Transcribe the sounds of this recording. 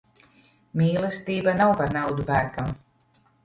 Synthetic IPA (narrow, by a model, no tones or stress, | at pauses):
mʲiːlˠɛst̪iːbanawpaɾnawd̪ubæːkam